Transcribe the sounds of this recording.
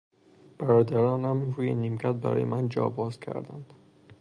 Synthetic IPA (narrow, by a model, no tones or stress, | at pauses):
b̥æɾɒːd̪æɾɒːnæmiɾuːjenːiːmcʰæt̪̚bæ̰ɾɒ̰ːjḛmænd͡ʒɒ̰ːbɒːzcʰæ̰ɾd̪ænd̪̥